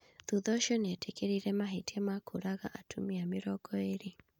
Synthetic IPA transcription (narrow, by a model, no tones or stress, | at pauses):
ðuðɔʃjɔnɛtʰekeɾiɾɛmaɦetiamakʰoɾaɣa̰ʔatʰumiamɪɾɔɡɔeɾe